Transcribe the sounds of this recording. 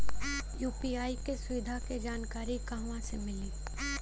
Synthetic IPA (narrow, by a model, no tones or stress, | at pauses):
juːpiaːikesʊʋɪd̪ʱaked͡ʒaːnkaːɾikaːʋãsemɪliː